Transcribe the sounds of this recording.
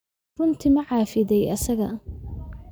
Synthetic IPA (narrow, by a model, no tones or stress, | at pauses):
rʊnt̪ʰiːmɐʕɑːfɪðɛjʔɐsɐɣɐ